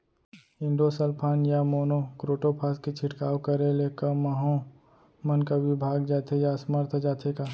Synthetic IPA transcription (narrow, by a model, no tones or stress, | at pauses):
ɪ̃ɳɖosəlpʰaːnjamoːnokɾoːʈopʰaːsket͡ʃʰɪʈkaːwkəɾeleːkəɾməɦõ | mənkabʱibʱaːɡd͡ʒaːt̪ʰejasməɾt̪ʰd͡ʒaːt̪ʰekaː